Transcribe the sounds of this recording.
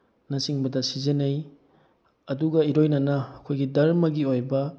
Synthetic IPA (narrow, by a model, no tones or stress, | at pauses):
nɐsiŋbɐdɐsizenej | ɐduɡɐiɾojnɐnɐːkʰojɡidɐɾmɐɡiojbɐ